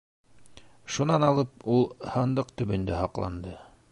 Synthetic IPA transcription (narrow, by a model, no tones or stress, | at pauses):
ʃunɑnɑlˠɤpulˠhɤnd̪ɤqt̪ɵ̆βɵ̆nd̪æhɑqlˠɑ̰nd̪ɤ